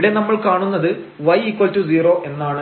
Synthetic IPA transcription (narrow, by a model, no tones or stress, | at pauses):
ɽe̞nɐmːɐɭkaːɳunːɐðɨ | ʋɐjikwɐltuziːro̞ːʔe̞nːaːɳɨ